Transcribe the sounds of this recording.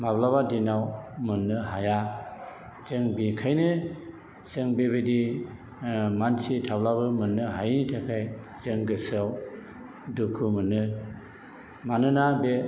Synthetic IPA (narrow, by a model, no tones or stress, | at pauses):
mablaβadinawmɯnːɯɦaja | zeŋbikʰajnɯ | seŋbebedi | mansitʰablabɯmɯnːɯɦajnitʰakʰaj | zeŋɡɯsɯw | dukʰumɯnːɯ | manɯnabe